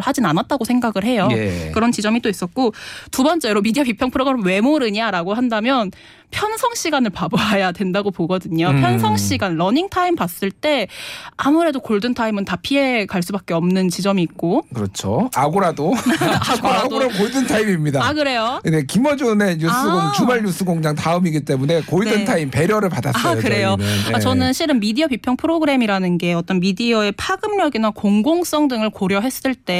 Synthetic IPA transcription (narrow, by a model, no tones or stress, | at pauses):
ɭhad͡ʑinanat̚t͈aɡosʰe̞ŋɡaɡɯɭhe̞joekɯɾʌnt͡ɕid͡ʑʌmit͈ois͈ʌt̚k͈otubʌnt͡ɕ͈e̞ɾomidiapipʰjʌŋpʰɯɾoɡaɾomwe̞moɾɯɲaɾaɡoɦandamjʌn | pʰjʌnsʰʌŋɕ͈iɡanɯɭpaboajadwe̞ndaɡopoɡʌdɯɲopʰjʌnsʰʌŋɕ͈ʰiɡanɾʌniŋtʰaimpas͈ɯɭt͈e̞amuɾe̞dokoɭdɯntʰaimɯntapʰie̞kaɭs͈ubak͈e̞ʌmnɯnt͡ɕid͡ʑʌmiːk̚k͈okɯɾʌt͡ɕʰo̰aɡoɾado | ɡaɡoɾakoɭdɯntʰaimimɲidaakɯɾe̞jone̞kimʌd͡ʑone̞ɲus͈ɯɡoŋt͡ɕumaɭːjus͈ɯɡoŋd͡ʑaŋtaɯmiɡit͈e̞mune̞koɭdɯntʰaimpe̞ɾjʌɾɯɭpada̰s͈jkɯɾe̞joat͡ɕʌnɯnɕʰiɾɯnmidiʌpipʰjʌŋpʰɯɾoɡɯɾe̞miɾanɯnɡe̞ʌt͈ʌnmidiʌe̞pʰaɡɯmɲʌɡinakoŋɡoŋs͈ʌŋdɯŋɯɭkoɾjʌɦe̞s͈ɯɭt͈e̞